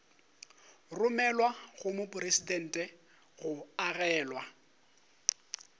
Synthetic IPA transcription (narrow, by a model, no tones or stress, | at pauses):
rʊmɛlwaɣʊmʊpʼʊresidɛn̩ːtʼɛ | ɣʊaɣɛːlwa